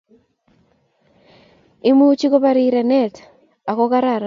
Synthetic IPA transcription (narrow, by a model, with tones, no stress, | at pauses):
ɪ˦mu˦t͡ʃi˦ko˦ba˦ɾi˦ɾe˨nɛ˦˨t | a˨kɔ˦ka˦ɾa˦˨ɾ